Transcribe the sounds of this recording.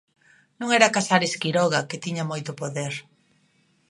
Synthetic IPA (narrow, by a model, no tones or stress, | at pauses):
nũŋɛɾakasaɾeskiɾɔɣɐket̪iɲɐmojt̪ʊpoðeɾ